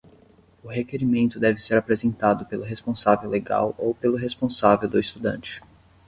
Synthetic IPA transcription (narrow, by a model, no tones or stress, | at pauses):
ʊɦekeɾimẽnt̪ʊd̪ɛvɪseɾapɾezẽnt̪ad̪ʊpelʊɦespõsavewleɡa̰wowpelʊɦespõsavewd̪ʊist̪ud̪ɐ̰̃nt͡ʃɪ̥